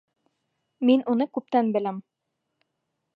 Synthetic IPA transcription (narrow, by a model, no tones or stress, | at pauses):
minʔunɤkʉp̚t̪ænbɘ̆læm